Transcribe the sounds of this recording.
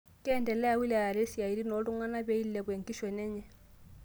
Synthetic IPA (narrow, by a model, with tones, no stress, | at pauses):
kʼɛ˦ɛ˦˨ndɛ˨lɛ˦a˦wi˦lɛ˨a˨ɾe˦si˨a˨i˨ɾi˦nɔ˨˦lu˦ŋwa˦na˦be˦i˦llɛ˨k̬we˨ŋ̩˨kʼi˦ʃɛ˨nɛ˦ɲɛ˦